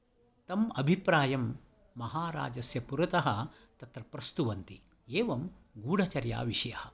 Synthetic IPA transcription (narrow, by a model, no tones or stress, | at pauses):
t̪ɐmɐbʱipɾaːjɐmː | ɐɦaːɾa̰ːd͡ʒɐsjɐpuɾɐt̪ɐɦɐ̆ | t̪ɐt̪ɾɐpɾɐst̪uʋɐnt̪i | eːʋɐmɡuːɽɐt͡ʃɐɾja̰ːʋiʂɐjɐhɐ̆